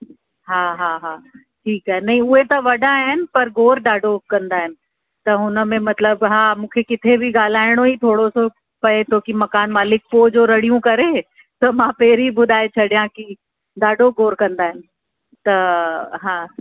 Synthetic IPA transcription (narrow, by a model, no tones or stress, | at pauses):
ɦãːɦaːɦaː | ʈʰiːkaɦɛnɐɦĩʊɦet̪ɐʋɐɖaɦɪnɪ̆pɐɾɡoːɾɖaːɖokɐ̃nd̪aːɦɪnɪ̆ | t̪ɐʊnə̆mẽmɐt̪ləbɦãːmũːkʰekɪt̪ʰebʱiɡaːl̤aːɪɽ̃oit̪ʰoːɽoso | pɐet̪ʰoːkimɐkaːnmaːlɪk̚poːd͡ʒoːɾɐɽijũkɐɾeː | t̪ɐmãːpeːɾibʊd̪ʱaːet͡ɕʰɐɽjãki | ɖaːɖoɡoːɾkɐ̃nd̪aːɦɪnɪ̆ | t̪ɐɦãː